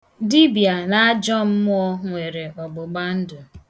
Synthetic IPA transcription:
di˦bi˨a˨na˦a˦d͡ʒɔ˦m̩˦m˦ɔ˦ŋʷe˨ɾe˨ɔ˨ɡ͡bʊ˨ɡ͡ba˦n̩˦dʊ˨

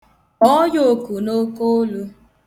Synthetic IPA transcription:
ɔ˦jo˨ku˨no˦ko˦lu˦

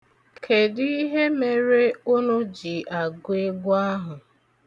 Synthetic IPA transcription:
kʰe˨di˦ɦe˦me˨ɾe˦ʊ˦no˦d͡ʒi˨ʔa˨ɡʊ˦e˦ɡʊ˦a˦ɦʊ˨

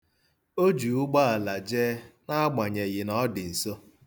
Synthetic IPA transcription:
o˦d͡ʒu˨ʊ˦ɡ͡ba˦a˨la˨d͡ʒeː˦na˦a˦ɡ͡ba˨ɲe˨ɣɪ˨nɔ˦dɪ˨n̩˨so˦

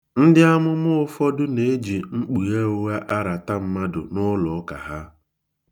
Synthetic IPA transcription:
n̩˦dɪ˦a˦mʊ˦mʊ˦ʊ˦fɔ˦dʊ˦ne˨e˦d͡ʒi˨ŋ͡m̩˦k͡pu˨ɣe˦o˦we˦ʔa˦ɾa˨ta˦m̩˦ma˦dʊ̰˨nʊ˦lʊ˨˦ka̰˨ɦa˦

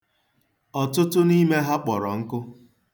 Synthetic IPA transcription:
ɔ˨tʊ˦tʊ˦ni˦me˦ɦa˦k͡pɔ˨ɾɔ˨ŋ̩˦kʊ˦

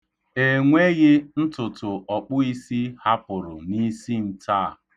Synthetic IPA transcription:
e˨ŋʷe˦ɣɪ˦n̩˦tʊ˨tʊ˨ɔ˨k͡pʊ˦i˦si˦ha˦pʊ˨ɾʊ˨ni˦si˦n̩˨tʰa˦˨

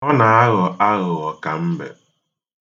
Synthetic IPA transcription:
ɔ˦na˨a˦ɣɔ˨a˦ɣʊ˨ɔ˨ka˨m̩˦bḛ˨

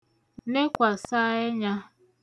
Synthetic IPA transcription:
ne˦kʷa˨sa˦e˦ɲa˦

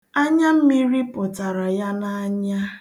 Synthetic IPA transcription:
a˦ɲa˦m̩˦mi˦ɾi˦pʊ˨ta˨ɾa˨ja˦na˦ɲa˦

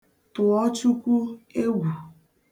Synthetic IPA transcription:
tʊ˨ɔ˦t͡ʃu˦kʷu˦e˦ɡʷu˨

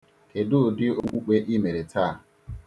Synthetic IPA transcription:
ke˨dʊ˦˨dɪ˦o˦kʷu˦k͡pe˦ʔi˦me˨ɾe˨tʰaː˦˨

